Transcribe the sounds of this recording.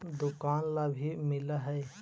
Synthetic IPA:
d̪ʊkaːnlabʱimɪlaɦɛe

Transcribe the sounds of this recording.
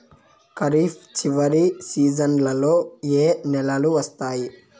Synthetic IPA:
kɐɾiːpʰt͡ʃiʋɐɾisiːd͡ʒɐnlɐlo̞ːeːnɛlɐluʋɐst̪aːji

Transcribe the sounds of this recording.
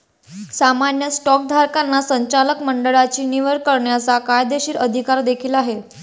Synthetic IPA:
samanjəsʈɔk̚d̪ʱaɾkanːasəɲt͡ɕaləkməɳɖəɭat͡ɕiːniʋəɾkːəɾɳjat͡sakajd̪eɕiːɾəd̪ʱikaɾd̪ekʰiːlaɦe

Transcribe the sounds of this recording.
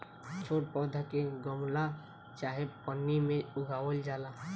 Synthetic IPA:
t͡ʃʰoːʈ̚pɔd̪ʱəkeɡəmla | t͡ʃaɦepənːimẽʊɡʱawəld͡ʒaːla

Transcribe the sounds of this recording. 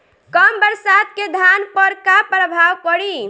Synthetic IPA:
kəmbəɾsad̪̚ked̪ʱanpəɾkapɾəbʱawkəɽi

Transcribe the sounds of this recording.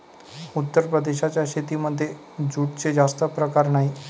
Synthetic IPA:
ut̪ːəɾpɾəd̪eɕat͡ɕjaɕet̪iməd̪ʱːje | d͡zuʈ̚t͡sed͡zast̪əpɾəkaɾnaɦi

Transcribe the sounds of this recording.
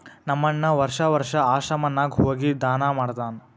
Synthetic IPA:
nɐmːɐnːɐʋɐɾʂɐʋɐɾʂɐaːʃɐmɐnːaːɡɦoːɡid̪aːnaːmaːɽt̪aːn

